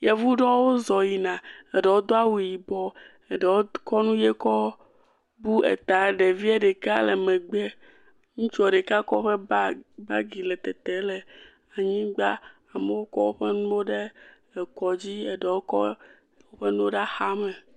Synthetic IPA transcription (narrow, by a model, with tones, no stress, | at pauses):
jɛ˨vu˦ɖɔ˦wo˦zɔ˨ji˨nã˨e˨ɖɛ˨wo˦d̪o˦a˦wu˨ji˨bɔ˦ | e˨ɖɛ˨wo˦kɔ˦nũ˦je˦kɔ˦ | bu˦ḛ˨t̪a˨ɖe˨vi˦e˦ɖɛ˨ka˦le˨mɛ̃˨ɡ͡bɛ˦ | ŋũ˦t͡ʃɔ˦˨ɖe˨ka˦kɔ˦ɸe˦ba˦ɡi˨lɛ˨t̪ɛ˨t̪e˨lɛ˨ | a˨ɲĩ˦ɡ͡ba˦ | a˨me˨˦wo˦kɔ˦wo˦ɸe˦nũ˦wo˦ɖe˦˨ | kɔ˨d͡ʑi˦e˨ɖɛ˨wo˦kɔ˦ | wo˦ɸe˦nũ˦o˦ɖa˦xa˦mẽ˨